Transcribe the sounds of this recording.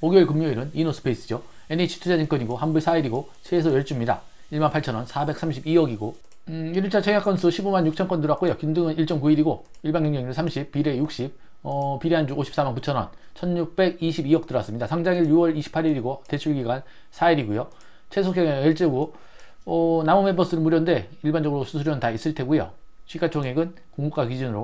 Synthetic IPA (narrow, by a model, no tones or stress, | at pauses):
oɡieɭkɯmɲoiɾɯninosʰɯ̥pʰeis͈ɯd͡ʑo | enet͡ɕʰi̥tʰud͡ʑʰad͡ʑink͈ʌɲiɡohanbuɭsʰaiɾiɡo | t͡ɕʰesʰojʌɭt͡ɕ͈umɲida̰ | iɭmanpʰaɭt͡ɕʰʌnwʌnsʰabe̞k̚s͈ʰamɕʰibiʌɡiɡo | iɾɯɭt͡ɕʰat͡ɕʰeŋjak͈ʌnsʰɯɕʰibomanɲjuk̚t͡ɕʰʌnk͈ʌndɯɾak͈ojokindɯŋɯniɭt͡ɕ͈ʌnkuiɾiɡo | iɭbaŋʌŋd͡ʑʌŋiɾɯnsʰamɕʰipp͈ːiɾe̞juk̚ɕ͈ip̚ | ʌpiɾeɦand͡ʑuoɕʰi̥p̚s͈amankut͡ɕʰʌnʌ̰nt͡ɕʰʌnɲuk̚p͈e̞ɡiɕʰibiʌk̚t͈ɯɾʌs͈ɯmɲidasʰaŋd͡ʑaŋiɭjuwʌɾiɕʰi̥pʰaɾiɾiɡote̞t͡ɕʰuɭɡiɡan | sʰaiɾiɡujo | t͡ɕʰes̬ʰokʰeŋeeɭt͡ɕ͈eɡo | ʌnamomebʌs͈ɯɾɯɭmuɾjʌnde̞iɭband͡ʑʌɡɯɾosʰusʰuɾjʌnɯntais͈ɯɭtʰe̞ɡujo̰ɕʰɥikʰat͡ɕʰoŋɦeɡɯn | koŋmuk͈akid͡ʑinɯɾo